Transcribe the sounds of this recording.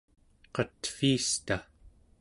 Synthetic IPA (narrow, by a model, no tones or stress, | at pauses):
qʌt̪fiːst̪a